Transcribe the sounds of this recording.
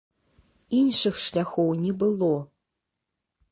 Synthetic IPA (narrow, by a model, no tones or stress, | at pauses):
inʂɨxʂlʲaxownʲɛbɨlˠo